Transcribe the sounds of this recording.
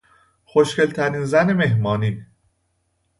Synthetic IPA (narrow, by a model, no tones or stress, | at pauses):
xoʃce̞lt̪ʰæɾiːnzæneme̞ɦmɒːniː